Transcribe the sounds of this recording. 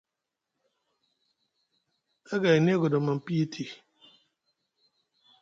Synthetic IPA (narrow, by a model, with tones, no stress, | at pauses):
a˦ɡa˨ɛ˨ni˦ɡɔ˨dɔ˨mã˨m̩˨pi˦i˦tʰi˨